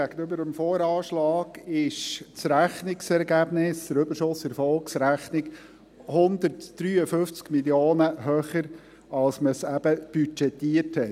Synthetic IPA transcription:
ɡæɡ̥ənʏbəɾəmfoːɾɑːʃlɑːɡ̥ɪʃt͡sɾæχnɪksɛɾɡæb̥nɪsdəɾʏbəɾʃʊsɛɾfɔlksɾæχnɪk | hʊnd̪ətd̥ɾyːəfʏft͡skmiljoːnəɦœχəɾ | ɑlsməsæb̥əb̥yt͡ʃɛt̪ːiərthɛt

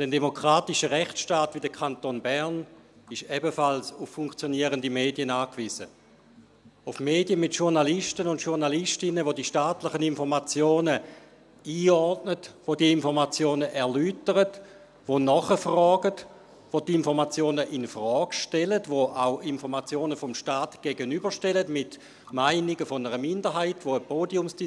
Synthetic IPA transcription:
d̥ɛndemokʁ̥aːtɪʃəʁɛχt͡sʃtaːtv̥idəkʰantoːnbɛʁn | ɪʃɛbəfalsʊfːuŋkt͡sjoniəʁəndimeːdiənaːkv̥izə̰ | ʊfmeːdjəmɪtʃuʁnalɪʃtənʊntʃuʁnalɪʃtɪnəvodiːʃtaːtlɪχəninfɔʁmat͡sjoːnə | iːɔʁdnətʋodiəinfɔʁmat͡sjoːnəʔɛɐlyːtəʁət | ʋonɔχəfʁɔːɡət | ʋotɪnfɔʁmat͡sjoːnəʔɪnfʁɔːɡʃtɛlətvoʔaʊinfɔʁmat͡sjoːnəfɔmʃtaːtɡ̥eɡənybəʃtɛlətmɪt | maɪnɪɡəfonəʁəmɪndəɦaɪtʋoəpʰoːdiʊmsd̥i

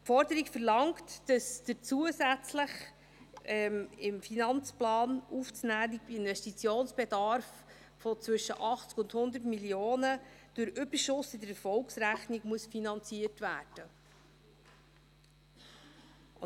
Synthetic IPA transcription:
fɔɾdəɾikfəɾlɑŋktd̥ɑsd̥ət͡suəsæt͡sləχ | ɛmɪmfinɑnt͡splɑːnuft͡snæːdiɪnvɛstit͡sjoːnsb̥edɑɾf | fɔt͡sʋʏʃəʔɑχt͡skʊndhʊnd̪ətmiljoːnəd̥ʊɾʏb̥əɾʃʊsɪdəɾɛfɔlksɾæχnɪɡmuəsfinɑnt͡siətvæ̰ːrd̥ə

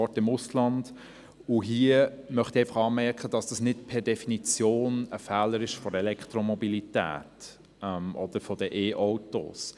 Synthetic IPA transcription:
ɔtɪmʊslɑnd̥ | ʊɦiəmœχt̪ieɪfɑχɑːmɛɾkχəd̥ɑsd̥ɑsnɪtpʰɛɾdɛfinit͡sjoːnəfæːləɾɪʃfɔɾɛlɛkt̪ɾɔmɔbilitæ̰ːt | ɛmʔɔd̪̥əɾfɔd̥əʔeːʔoʊto̰ːs

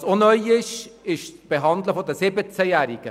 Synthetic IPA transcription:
sonœʏɪʃɪʃt͡sb̥eɦɑnd̪ləfod̪əsɪbət͡sæjæːɾiɡ̥ə

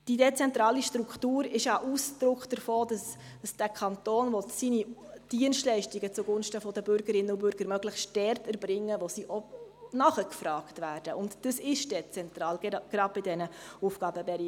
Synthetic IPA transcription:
d̥idɛt͡sɛntɾɑːliʃtɾuktuːɾɪʃjɑʔusd̥ɾʊkχd̥əɾfoːdɑs | d̥ɑsd̥ækʰɑnt̪oːnʋɔtsinid̥iənstlɛɪʃtiɡət͡suɡʊnʃtəfɔdəbʏɾɡəɾɪnːəʊbʏɾɡ̥əɾmœɡləxsd̥ɛrtɛɾbɾɪŋːəʋosiːʔɔnɑχəkfɾɑːktʋæːɾd̥əʔʊntd̥əsɪʃd̥ɛt͡sɛnt̪ɾɑːlɡ̥ɾɑd̚bɪdɛnəufɡ̥ɑːbəbɛɾi

